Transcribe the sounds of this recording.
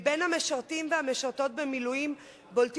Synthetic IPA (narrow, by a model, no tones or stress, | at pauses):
be̞nhameʃaʁtimveameʃaʁto̞t̚bemilujim | bolt